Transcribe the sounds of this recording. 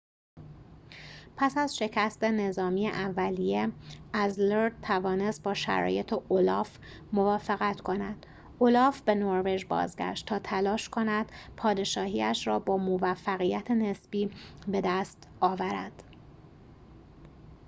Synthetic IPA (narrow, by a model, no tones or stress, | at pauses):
pʰæsæzʃe̞cʰæst̪e̞ne̞zɒːmiːeʔævːælijeæzleɾt̪ʰævɒːne̞st̪̚bɒːʃæ̰ɾɒ̰ːje̞t̪ʰeʔolɒːf | movɒːfeɣæt̪ʰkʰo̞næd̪̥ | ʔolɒːfb̥e̞noɾve̞d͡ʒbɒ̰ːzɟæ̰ʃt̪t̪ʰːɒːt̪ʰælɒːʃkʰo̞næd̪̥pʰɒːd̪e̞ʃɒːhiːæʃɾɒːbɒːmovæfːæɣijæt̪ʰene̞sb̥iːbe̞d̪æst̪ɒːvæɾæ̰d̪̥